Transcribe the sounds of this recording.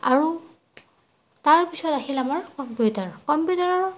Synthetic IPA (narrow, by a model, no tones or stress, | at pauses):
aɹu | taɹpisɔtaɦilamaɹkɔmputaɹkɔmpjutaɹɔɹ